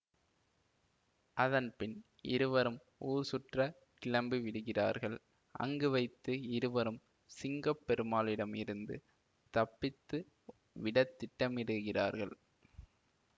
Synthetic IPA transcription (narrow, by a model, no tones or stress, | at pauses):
ʔɐðɐnpɪn | ɪ̰ɾɯʋɐɾɯm | uːɾsʊʈrɐ | kɪlɐmbiʋɪɽɯɣɪra̰ːɾɣɐɭ | ʔɐ̰ŋɡɯʋɐɪt̪ːɯɪɾɯʋɐɾɯm | sɪŋɡɐpːɛɾɯmaːlɪɽɐmɪɾɯnd̪ɯ | t̪ɐpːɪt̪ːɯ | ʋɪɽɐt̪ːɪʈːɐmɪɽɯɣɪraːɾɣɐɭ